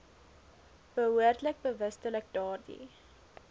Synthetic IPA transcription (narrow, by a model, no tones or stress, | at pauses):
b̥əɦuərdlək̚bəvəstələk̚dɑːrdḭ